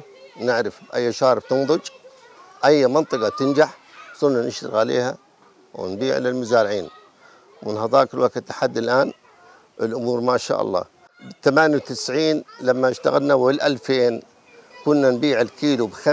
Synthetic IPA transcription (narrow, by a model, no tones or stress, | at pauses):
nɪʕɾɪfbʔa̰jːʃɑːɾbt̪ɨnðˤʊd͡ʒ | ʔajːmɑnt̪ˤɨɡɑt̪ɪnd͡ʒaħ | sˤʊlnanɪʃɾɪ̰ɣʕalḛːha | wɪ̰nbiːʕlɪlmʊzaːɾʕiːn | mɪnhɑðˤɑːʔkɪlwakt̪ːaħad̪ːɪlʔaːn | ʔɪlʔʊmuːɾmaʃa̰ːʔɑ̰lˤːɑ̰ː | bt̪amaːnjawt̪ɪsʕiːnlamːaʃt̪a̰ɣalnawɪlʔalfeːn | kʊnːanbiːʕɪlkiːlubxa